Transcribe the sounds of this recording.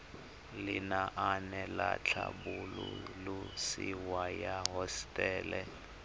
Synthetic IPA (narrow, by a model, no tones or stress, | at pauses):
lɪnaʔanɛlat͡ɬʰabululusiwajaɦɔstʼɛːlɛ